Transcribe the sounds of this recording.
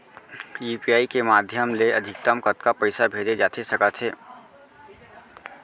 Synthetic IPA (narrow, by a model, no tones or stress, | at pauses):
juːpijaːikemaːd̪ʱjəmleɐd̪ʱɪk̚t̪əmkət̪kapɐɪsabʱeːd͡ʒed͡ʒaːt̪ʰesɐkət̪ɦeː